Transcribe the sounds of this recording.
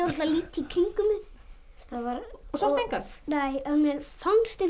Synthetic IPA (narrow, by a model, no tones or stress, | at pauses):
ɾt̪laliːt̪ːikʰeŋkʏmɪn | θavaɾɔsɔsejŋkḁt̪nejɛðmjɛɾfanst̪ɪ